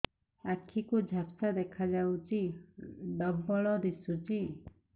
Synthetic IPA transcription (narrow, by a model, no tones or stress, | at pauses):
akʰikud͡ʒʱapsad̪ɛkʰad͡ʒawt͡ʃi | ɖɔbɔɭɔɾisut͡ʃi